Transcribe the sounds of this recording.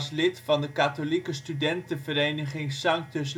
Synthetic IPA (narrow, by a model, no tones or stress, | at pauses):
slɪtfɑndəkaːtolikəstydɛntəvəɾejnəχɪŋsɑŋk̚tɵs